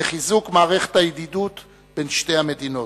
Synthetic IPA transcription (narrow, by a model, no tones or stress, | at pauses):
eχizukmaːʁeχe̥thajed̪id̪ut | be̞nʃte̞jhame̞d̪ino̞